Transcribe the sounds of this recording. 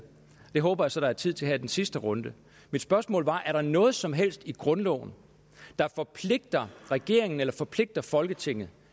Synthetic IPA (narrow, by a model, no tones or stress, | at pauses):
d̥e̝ɦɔːb̥ɐjäsɒ̽ɾ̥ɑ̈æɐt͡sʰið̞̰ˠt͡sʰe̝ɦæd̥ensisd̥əʁɔ̽nd̥ə | mid̥sb̥ɶɐsmɔ̰ːlʋɑ̈ʔæɐɾ̥ɑ̈nɔ̽ːð̞̩ˠsɒ̽mɦel̰sd̥iɡ̥ʁɔ̽nlɔ̰ʊn̩ | d̥ɑ̈fɒ̽pʰle̝ɡ̥̚d̥ɐʁɛɡ̥e̝̰ɐ̰eŋn̩elɐfɒ̽pʰle̝ɡ̥̚d̥ɐfɒ̽lɡ̥ət͡sʰe̝ŋ̰ð̩ˠ